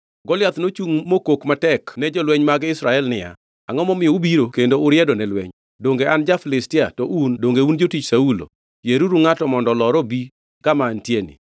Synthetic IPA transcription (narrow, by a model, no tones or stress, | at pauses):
ɡɔlɪat̪not͡ʃuŋmokokmatɛknɛd͡ʒɔlwɛɲmaɡɪsɾaɛlnɪja̰ | a̰ŋɔmɔmɪɔubiɾokendoʊɾjɛdɔnɛlwɛ̰ɲ | doŋɡeand͡ʒafɪlɪstɪatɔʔundoŋɡeund͡ʒotit͡ʃsaulo̰ | jeɾuɾuŋatɔmɔndɔlɔɾɔbi | kamaːntjenḭ